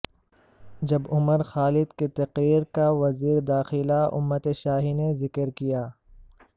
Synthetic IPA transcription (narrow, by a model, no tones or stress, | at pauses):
d͡ʒɐbʊməɾxaːlɪd̪ket̪ɐqɾiːɾkaʋɐziːɾd̪aːxɪlaʊ̰mːət̪eʃaːɦinezɪkəɾkijaː